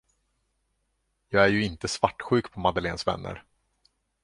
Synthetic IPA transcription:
jɑːɡæɾjɵɪnt̪əsvaʈːɧʉ̟ːkpʰɔmad̪əleːnsvɛ̰nːə̰ɾ

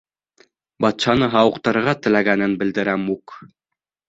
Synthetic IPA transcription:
bɑt̪ɕɑnɤɦɑwɤ̆qt̪ɤ̆ɾʁɑt̪ɘ̆læɡænɘnbɘ̆ld̪ɘ̆ɾæmuk

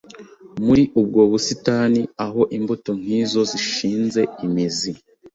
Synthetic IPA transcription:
muɾiʔub̚ɡo̞ːβusitaːniaɦo̞ʔimboto̞ŋ̥hiːzo̞ziʃiːnze̞imizi

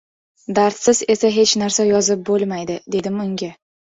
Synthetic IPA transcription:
d̪aɾt̪sɪze̞saɦe̞t͡ʃnaɾsajɒzɪp̚bolˠmajd̪ɪd̪e̞d̪ɪmʊŋɡʲa

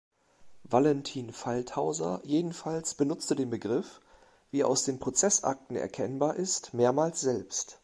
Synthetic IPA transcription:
valɛntʰiːnfalthaʊzɐ̰jeːdn̩falsb̥ənʊt͡stədeːnbəɡʁɪf | viːɐʔa̰ʊsd̥eːnpʁ̥ot͡sɛsʔa̰k̚tn̩ɛ̰ɐkʰɛnbaːɐʔɪstmeːɐmaːlsz̥ɛlpst

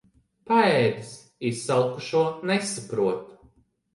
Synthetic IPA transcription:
paɛːd̪s | isːalˠkuʃuɔnesapɾuɔt̪

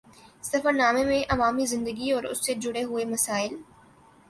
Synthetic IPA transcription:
sɐfəɾnaːmẽmẽʔɐʋaːmizɪ̃nd̪əɡiɔːɾʊ̰sːed͡ʒʊɽeɦʊemɐsaːɪl

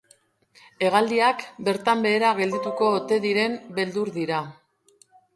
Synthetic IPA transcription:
e̞ɣ̞ald̪iakbe̞ɾt̪ambe̞ːɾaɣe̞ld̪it̪uko̞ːt̪e̞ðiɾe̞mbe̞ld̪uɾðiɾa

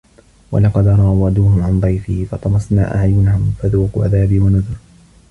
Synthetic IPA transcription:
wa̰lɑqɑd̪ɾˤɑːwɑd̪uːhʊʕand̪ˤɑjfɪhɪfɑt̪ˤɑmɑsna̰ːʔa̰ʕajʊnahʊmfaðuːqʔa̰ðaːbiwanʊðʊɾ

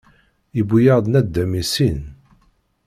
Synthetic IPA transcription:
ibujɑðˤnæd̪ːæmisin

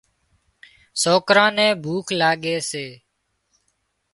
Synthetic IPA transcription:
soːkɾãːnɛ̃ːbʱuːkʰlaːɠeːseː

